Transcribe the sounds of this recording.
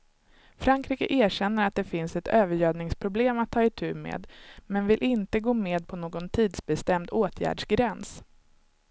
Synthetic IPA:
fɾaŋkʰɾiːkəʔeːɾɕɛnːəɾat̪̚d̪ɛfɪnsɛt̪øːvəɾjøːvnɪŋspʰɾʊbleːmat̪ʰːɑːɪt̪ʰʉ̟ːmḛːd̪mɛnvɪlʔɪnt̪əɡoːmeːd̪̚pʰɔnoːɡɔnt̪ʰiːd̪sbɛst̪ɛmd̪oːt̪ʰjæ̰ːɖʂɡɾɛns

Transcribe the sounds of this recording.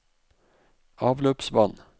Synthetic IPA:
ɑːʋløːpsʋɑn

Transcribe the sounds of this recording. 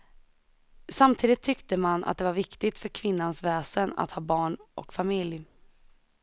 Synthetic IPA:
samt̪ʰiːd̪ɪt̪ʰːʏkt̪əmanʔa̰t̪̚d̪ɛvaɾvɪkt̪ɪɡ̚t̪fœɾkʰvɪnːansvɛːsəna̰t̪hɑːbɑːɳʔɔ̰kfamɪlj

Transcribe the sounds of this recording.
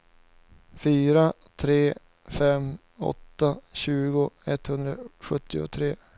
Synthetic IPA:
fyːɾa | t̪ʰɾeː | fɛm | ɔ̰t̪ːaɕʉ̟ːɡʊɛt̪ːhɵnd̪ɾaɧɵt̪ʰːɪʊ̰t̪ʰɾeː

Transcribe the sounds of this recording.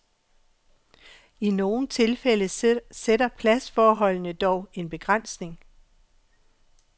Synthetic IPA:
ino̝ːn̩t͡sʰe̝lfel̰əsedɐpʰlæsfɒːɦɒ̽l̰nəd̥ɒʊe̝nb̥e̝ɡ̥ʁan̰sne̝ŋ

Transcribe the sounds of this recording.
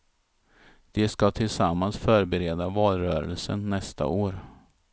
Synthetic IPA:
d̪̥ɛskat̪ʰɪlsamːansfœːɾbɛɾeːd̪avɑːlɾœːɾə̰lsə̰nːɛst̪ʰa̰ʔoːɾ

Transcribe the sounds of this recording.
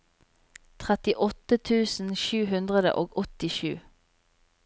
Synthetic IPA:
t̪ʰʁɛt̪ɪʔɔt̪ət̪ʰʉːsn̩ʃʉːɦʉnd̪ʁəd̪ə̰ʔoːɡɔt̪ɪʃʉ̰ː

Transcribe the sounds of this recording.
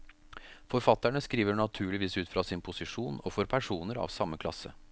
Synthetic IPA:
fɔɾfɑt̪ːæɳəskɾiːʋəɳɑt̪ʰʉːɭɪʋiːsʉːt̪fɾɑsɪnpʰʊsɪʂuːnɔfɔɾpʰæʂuːnəɾɑ̰ʋsɑmːəkʰlɑ̰sə̰

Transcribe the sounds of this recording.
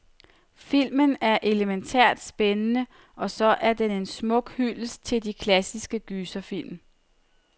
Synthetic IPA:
fil̰mənæɐʔe̝ləment͡sʰæ̰ɐ̰d̥sb̥enənə | ɒ̽sɒ̽ʔæɐd̥ene̝nsmɔ̽ɡ̥hylst͡sʰe̝ldikʰlæsisɡ̥əɡ̥yːsɐfil̰m

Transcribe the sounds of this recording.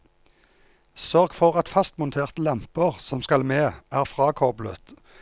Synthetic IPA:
sœʁɡfɔʁɑt̪fɑst̪mʊnt̪ʰeːʁt̪əlɑmpəʁsɔmskɑlmeːæːʁfʁɑːkʰɔʁblə̰t̪

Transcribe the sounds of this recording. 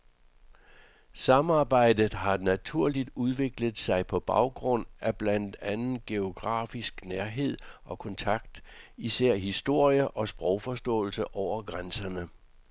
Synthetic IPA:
sɑ̈mɑ̈ːb̥ɑ̈ɪ̰d̥ð̩ˠɦɑ̈næt͡sʰuɐ̰lid̥uðˠʋe̝ɡ̥ləð̩ˠsɑ̈ɪpʰɒ̽b̥ɑ̈ʊɡ̥ʁɔ̽n̰ʔæb̥læn̰d̥ænn̩ɡ̥e̝o̝ɡ̥ʁɑ̰̈ːfisɡ̥næɐɦe̝ð̞̰ˠʔɒ̽kʰɒ̽nt͡sʰɑ̈ɡ̥d̥iseɐ̰ɦisd̥o̝ɐ̰jəʔɒ̽sb̥ʁɒʊfɒ̽sd̥ɔ̰̽ːl̩səʔɒʊ̰ɐɡ̥ʁansɐnə

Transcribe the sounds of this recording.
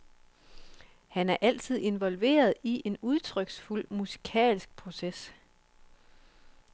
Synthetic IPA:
hænæɐʔæl̰t͡sʰið̞̰ˠe̝nʋɒ̽lʋe̝̰ːɐð̞ˠiʔe̝nuð̞ˠt͡sʰʁœɡ̥sful̰musi̥kʰɛ̰ːlsɡ̥̚pʰʁo̝ses

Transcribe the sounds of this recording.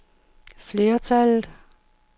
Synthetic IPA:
fle̝ːɐt͡sʰælð̩

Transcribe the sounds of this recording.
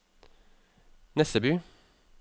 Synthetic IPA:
nɛst̪əbʉː

